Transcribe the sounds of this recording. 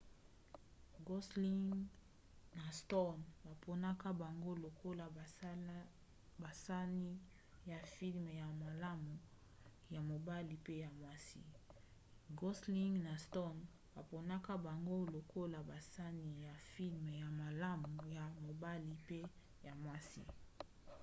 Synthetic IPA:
ɡo˦sli˦ŋ | na˨stɔ˦˨nba˨pʰo˨na˦ka˦ba˨ŋɡo˦lo˨ko˦la˨ | ba˨sa˦ni˦ | ja˨fi˦lme˨ja˨ma˨la˦mu˨ | ja˨mo˨ba˦li˨pe˦ja˨mwa˦sḭ˦ | ɡo˦sli˦ŋna˨stɔ˦n | ba˨po˨na˦ka˦ba˨ŋɡo˦lo˨ko˦la˨ba˨sa˦ni˨ja˨fi˦lm˨ja˨ma˨la˦mu˨ja˨mo˨ba˦li˨pe˦ | ja˨mwa˦sḭ˦

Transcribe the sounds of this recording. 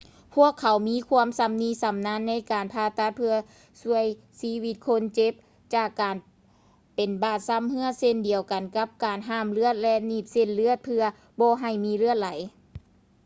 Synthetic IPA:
pʰu˧˥˩əkʰːa˨˩˦wmiː˧˥˨kʰu˧əmsa˧˦mniː˧˥sa˨˦mna˧˥˨nːa˧˥˨jkaː˨npʰaː˧t̪a˧˩t̪̚pʰɯ˧ɐ | su˧əj | siː˧˥wi˧˥t̪̚kʰo˧˥nt͡ɕe˧˦p̚ | t͡ɕaː˧˩kːaː˨n | pe˨nbaː˧˩t̪̚sa˧˥mhɯ˧˥ɐse˧˥˨ndi˨˩əwka˨˩nka˧˥p̚kaː˨˩nɦaː˧˥˩mlɯ˧˥ət̪̚lɛ˧ʔniː˧˩p̚se˧˨nlɯ˧˥ət̪̚pʰɯ˧ɐ | bɔː˧ɦa˧˩jmiː˧˥˨lɯ˧˥ət̪̚la˨˦j

